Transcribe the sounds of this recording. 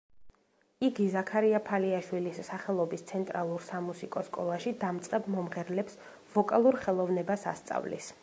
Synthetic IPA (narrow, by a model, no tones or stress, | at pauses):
iɡizakʰaɾiapʰaliaʃwilisːaχɛlˠɔbist̪sʰɛnt̪ʼɾalˠuɾsamusikʼɔskʼɔlˠaʃid̪amt̪sʼqʼɛbmɔmʁɛɾlɛps | vɔkʼalˠuɾχɛlˠɔvnɛbasa̰st̪sʼa̰vlḭs